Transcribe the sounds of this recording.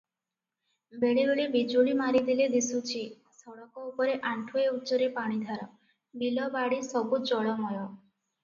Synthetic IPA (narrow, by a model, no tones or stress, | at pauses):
beɭebeɭebid͡ʒuɭimaɾid̪iled̪isut͡ʃʰi | sʰɔɭɔkɔupɔɾeʔaɳʈʰueuːt͡ʃɔɾepaɽ̃id̪ʱaɾɔ | bilɔbaɽisɔbud͡ʒɔɭɔmɔjɔ